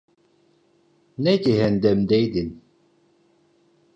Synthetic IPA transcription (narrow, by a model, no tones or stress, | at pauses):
nɛciɦɛnd̪ɛmd̪ɛjd̪in